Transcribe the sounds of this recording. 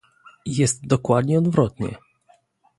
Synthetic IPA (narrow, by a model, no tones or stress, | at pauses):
jɛst̪̚d̪ɔkwad̪ɲɛɔd̪vɾɔt̪ɲɛ̰